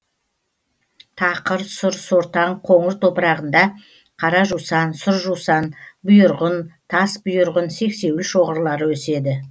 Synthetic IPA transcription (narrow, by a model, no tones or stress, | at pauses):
t̪ʰɑqəɾsʊɾsoɾt̪ɑɴqʰo̞ɴəɾt̪ʰo̞pəɾɑʁənd̪ɑ | qʰɑɾɑʒusɑnsʊɾʒusɑnbʊjʊɾʁənt̪ʰɑsbʊjʊɾʁənse̞kse̞wɪlʃo̞ʁəɾlˠɑɾəwɵse̞d̪ɪ